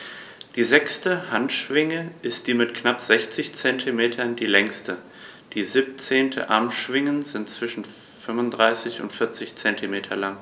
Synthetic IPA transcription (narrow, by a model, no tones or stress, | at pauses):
d̥iːzɛkstəhantʃv̥ɪŋəʔɪst̚d̥iːmɪtkʰnapz̥ɛçt͡sɪçt͡sɛntʰimeːtʰɐndiːlɛŋstə | d̥iːziːp̚t͡seːntʰə̰ʔa̰ɐmʃv̥ɪŋənzɪntt͡sv̥ɪʃn̩ | fʏmʊndʁaɪsɪçʊ̰ntfɪɐt͡sɪçt͡sɛntimeːtʰɐlaŋ